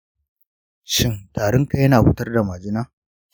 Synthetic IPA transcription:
ʃɪ˦ŋtaː˨ɽʊ˦ŋka˦jɐ˦naː˨kʊ˦tɐ˦rda˨maː˨d͡ʒɪ˦naː˦

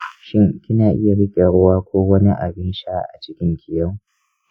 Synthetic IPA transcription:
ʃɪ˦ŋkʲɪ˦naː˨ʔɪ˦ja˨ɽɪ˦kʲʼe˨ɽʊ˦waː˦kʷoː˦wɐ˦ni˦ʔa̰˨bɪ˦nʃaː˦ʔa̰˨t͡ʃɪ˦kʲɪ˦ŋkʲʰɪ˨jɐ˦w

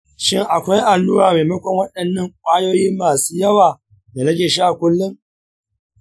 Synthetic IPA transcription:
ʃɪ˦ŋʔa˨kʷa˦jʔa˨nːu˦waː˨meː˨mɐ˦kʷɔ˨ŋwɐ˦ɗɐ˨nːɐ˦˨ŋkʷʼaː˦joː˦jiː˦maː˨suː˦jɐ˦waː˨ | na˨ɾɐ˦ɡʲeː˨ʃi˦ʔa˨kʷʊ˦lːʊ˦ŋ

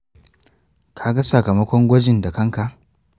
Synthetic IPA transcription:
kʰa˨ɡa˦sɐ˨kɐ˨mɐ˦kʷɔ˦ŋɡʷɐ˦d͡ʒɪ˨nda˨kɐ˦ŋka˨ʔ

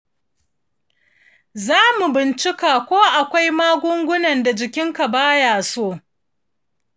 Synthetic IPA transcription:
zaː˦mu˨bɪ˨nt͡ʃɪ˦kaː˨kʷoː˦ʔa˨kʷa˦jmaː˦ɡʷʊ˦ŋɡʷʊ˦nɐ˨nda˨d͡ʒɪ˨kʲɪ˦ŋka˨baː˦jaː˨soː˦˨

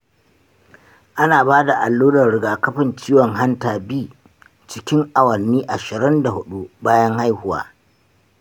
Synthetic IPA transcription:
ʔa˦naː˨baː˦da˨ʔa˨lːuː˦dɐ˨rɽɪ˨ɡaː˨kɐ˦ɸɪ˨nt͡ʃiː˦wɔ˨ŋɦa˦ntaː˨biː˦˨ | t͡ʃɪ˦kʲɪ˦ŋʔa˨wɐ˨nːiː˦ʔa˨ʃɪ˨ɾɪ˦nda˨hʊ˦ɗu˦baː˦jɐ˦ŋha˦jhʊ˦wa̰ː˨˦

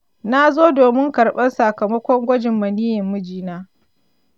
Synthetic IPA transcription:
na˦zoː˦doː˨mɪ˦ŋkɐ˨ɽɓɐ˦nsa˨kɐ˨mɐ˦kʷɔ˦ŋɡʷɐ˦d͡ʒɪ˨mːɐ˨niː˦jɪ˨mːʊ˦d͡ʒiː˦naː˦

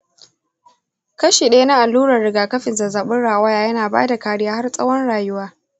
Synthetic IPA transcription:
kɐ˦ʃiː˨ɗa˦na˦ʔa˨lːuː˦ɾɐ˨rɽɪ˨ɡaː˨kɐ˦ɸɪ˨nza˨zaː˨ɓɪ˦nɽaː˨wa˦jaː˦jɐ˦naː˨ba̰ː˦da˨kaː˦ɽɪ˦jaː˦ha˦rsʼɐ˦wɔ˦nɽaː˨jʊ˦waː˦

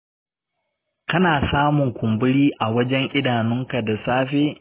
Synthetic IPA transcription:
kɐ˦naː˨saː˦mʊ˨ŋkʷʊ˨mbʊ˦ɽiː˦ʔa˨wɐ˦d͡ʒɛ˦ŋʔɪ˦daː˨nʊ˦ŋka˨da˨saː˦ɸeː˦

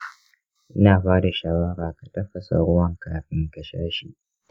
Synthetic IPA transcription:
ʔɪ˦naː˨ɸaː˦da˨ʃaː˦wɐ˦ɾaː˨ka˨tɐ˦ɸːɐ˨sa̰˨ɽʊ˦wɐ˦˨ŋkaː˨ɸɪ˦ŋkɐ˦ʃa̰ː˦ʃi˦˨ʔ

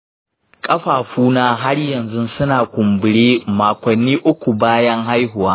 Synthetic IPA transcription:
kʼɐ˦ɸaː˨ɸuː˦naː˦ɦa˦ɽjɐ˨nzʊ˦nsʊ˦naː˨kʷʊ˨mbɪ˨ɽeː˦maː˨kʷɐ˨nːiː˦ʔʊ˦kʷu˨baː˦jɐ˦ŋɦa˦jɦʊ˨waː˦

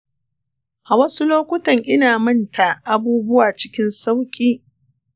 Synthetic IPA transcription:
ʔa˨wɐ˦su˦loː˦kʷʊ˦tɐ˨ŋʔɪ˦naː˨mɐ˦ntʰa˨ʔa˦buː˦bʊ˦waː˨t͡ʃɪ˦kʲɪ˦nsa˦wkʲʼiː˦

